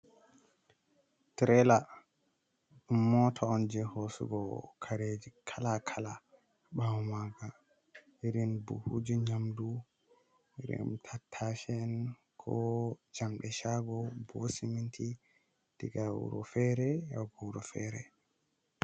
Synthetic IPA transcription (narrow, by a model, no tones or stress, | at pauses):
tɾɛla | mɔtʰɔɔnd͡ʒɛhosṵɡɔkʰaɾed͡ʒikʰalakʰala | ɓawmaɡa | iɾinbṵhud͡ʒiɲamdu | iɾḭmtʰatʰːafɛn | kʰɔd͡ʒamɗɛʃaɡɔbosimintʰi | d̥iɡawṵɾɔ̰fɛɾɛaɡɔɾɔfɛ̰ɾɛ̰